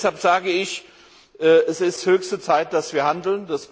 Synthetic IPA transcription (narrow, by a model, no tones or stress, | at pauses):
shalpz̥aːɡəɪç | ʔɛːʔɛsɪsthøːçstət͡saɪt̚d̥asv̥iːɐhandl̩ndas